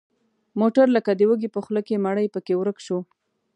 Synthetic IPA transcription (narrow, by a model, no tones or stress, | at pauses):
moʈaɾləkad̪əwəɡipəxləkemaɽəjpəkewɾəkʃo